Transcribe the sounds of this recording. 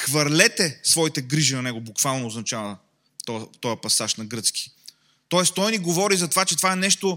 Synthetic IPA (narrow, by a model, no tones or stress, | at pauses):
xvɐɾlɛt̪ɛsvɔit̪ɛɡɾiʒinɐnɛɡobukvalˠnoːznɐt͡ʃavɐ | t̪ɔt̪ɔjɐpɐsaʃnɐɡɾɤt̪ski̥ | t̪ɔɛst̪ɔjniɡovɔɾizɐt̪ovat͡ʃɛt̪ovaɛnɛʃt̪o